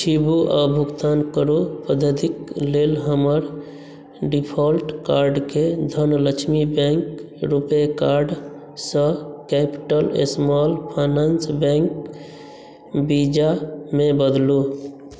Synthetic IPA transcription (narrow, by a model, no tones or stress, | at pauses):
t͡ʃʰibuʔabʱuɡt̪ankəɾopəd̪ʱəd̪iklelɦəməɾ | ɖipʰɔlʈkaɾɖked̪ʱənlət͡ʃʰmibɛ̃ŋk | ɾupekaɾɖ | sə̃kɛpi̥ʈəlḛsmɔlpʰanansbɛ̃ŋk | bid͡ʒamebəd̪lu